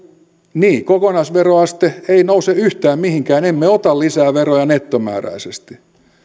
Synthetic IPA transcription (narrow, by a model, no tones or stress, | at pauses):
niːkokonɑisʋeroɑst̪eeinouseyht̪æːmmihiŋkæːnemːeot̪ɑllisæːʋerojɑnet̪ːomæ̰ːɾæ̰isest̪i̥